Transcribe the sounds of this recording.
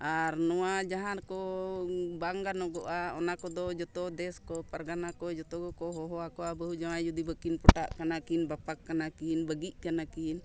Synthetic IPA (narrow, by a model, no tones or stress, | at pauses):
aɾnɔwad͡ʒaɦankɔ | baŋɡanɔɡɔʔaɔnakɔd̪ɔd͡ʒɔt̪ɔd̪ɛskɔpaɾɡanakɔd͡ʒɔt̪ɔɡɔkɔɦɔɦɔakɔʔabəɦud͡ʒamajd͡ʒud̪ibəkinpɔʈaʔkanakinbapakːanakinbəɡiʔ̚kanakin